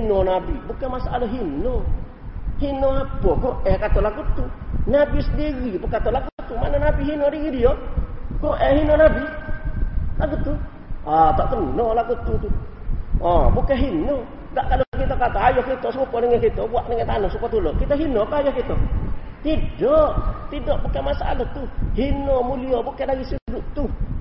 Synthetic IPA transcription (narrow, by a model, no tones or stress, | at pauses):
hinonabibukemasaʔalaɦino | hinoabɔɡoʔekat̪olaɡut̪unabisədiɡipəkat̪olaɡut̪umanonabiɦinodiɡidioɡoʔeɦinonabi | laɡut̪u | at̪ɔt̪ənːɔlaɡut̪ut̪u | ɔbukeɦinɔ | ɡaʔkadokakit̪okat̪aajokit̪ɔsəŋupɔnɛŋɛkit̪obuaʔnɛŋet̪anosupat̪ulokit̪aɦinokajɔkit̪o | t̪idɔʔt̪idɔʔbukemasaa̰lat̪uhinomuliobukedaɡisiɾuduʔt̪u